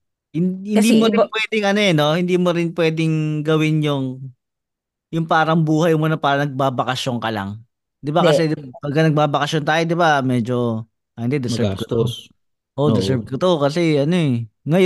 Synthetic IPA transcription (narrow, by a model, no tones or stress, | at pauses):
hɪnhɪnd̪iːmoɾɪnpwɛːd̪ɪŋʔɐnoɛno̞hɪnd̪iːmoɾɪnpwɛːd̪ɪŋɡɐwɪnjʊŋ | jʊŋpaːɾɐŋbuːhɐjmonɐpaːɾɐnɐɡ̚baːbɐkɐʃjoŋkɐla̰ŋ | d̪ɪbakɐsɛd̪ɪbɐɡɐnɐɡ̚baːbɐkɐʃont̪aːjod̪ɪbamɛːd͡ʒo̞ | ʔɐɐnd̪ɛd̪ɪsɛkt̪o | ʔoɪsɛb̚kɐt̪okɐsɛʔɐnoɛŋɐjo